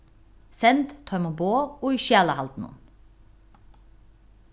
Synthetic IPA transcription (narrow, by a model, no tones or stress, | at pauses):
sɛnt̪t̪ʰɔʏmoboːoːiːʃjæːlɑhɑ̰lt̪n̩ṵːn